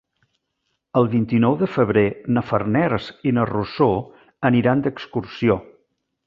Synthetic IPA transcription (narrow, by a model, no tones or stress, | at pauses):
əlˠβint̪inɔwðəfəβ̞ɾenəfərnɛɾsinəruso | əniɾand̪əkskursio